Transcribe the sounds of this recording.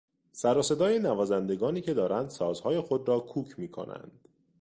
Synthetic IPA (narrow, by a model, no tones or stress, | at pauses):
sæɾose̞d̪ɒːje̞nævɒːzænd̪e̞ɡɒːniːcʰe̞d̪ɒːɾænd̪̥sɒːzhɒːje̞xod̪ɾɒːkʰuːcʰmiːkʰo̞̰nʔæ̰nd̪̥